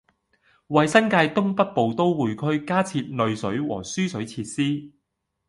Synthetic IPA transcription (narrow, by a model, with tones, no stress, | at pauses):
wɐ˨jsɐ˥nkaː˧jt̪ʊ˥ŋpɐ˥t̚po˨wt̪o˥wwuː˨˧jkʰɵ˥ɥkaː˥t͡sʰiː˧t̚nɵ˨˧ɥsɵ˨˥ɥwɔ̰ː˨˩syː˥sɵ˨˥ɥt͡sʰiː˧t̚siː˥